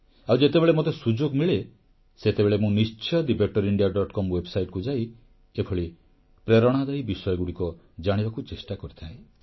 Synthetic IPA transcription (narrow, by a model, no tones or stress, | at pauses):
awd͡ʒet̪ebeɭemot̪esud͡ʒoɡmiɭe | set̪ebeɭemũnist͡ʃʰɔd̪ibek̚ʈɔɾiɳɖijaɖɔʈkɔmwebsajʈkud͡ʒaj | epʰɔɭi | pɾeɾɔɽ̃ad̪ajbisɔjɔɡuɽikɔ | d͡ʒaɽ̃ibakut͡ʃesʈakɔɾit̪ʰae